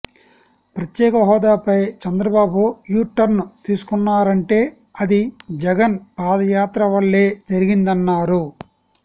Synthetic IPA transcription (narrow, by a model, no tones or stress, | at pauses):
pɾɐt̪jɛːkɐɦɔːd̪aːpɐjt͡ʃɐnd̪ɾɐbaːbujuːʈːɐɾnut̪iːsu̥kunːaːɾɐɳʈe̞ː | ɐd̪id͡ʒɛɡɐnpaːd̪ɐjaːt̪ɾɐʋɐɭːe̞ːd͡ʒɐɾiɡind̪ɐnːaːɾu